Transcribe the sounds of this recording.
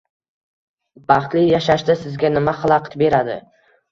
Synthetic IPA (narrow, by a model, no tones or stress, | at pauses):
bɑχt̪lɪjaʃaʃd̪asɪzɡʲanɪmaχɑlˠɑqɨ̥t̪be̞ɾad̪ɪ̰